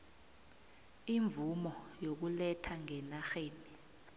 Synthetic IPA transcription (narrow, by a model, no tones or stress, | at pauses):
iɱbvumɔjok̬ulɛtʰaŋɛnaxeːni